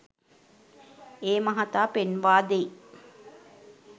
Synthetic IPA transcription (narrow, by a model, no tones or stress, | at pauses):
eːmaɦat̪aːpenʋaːd̪ei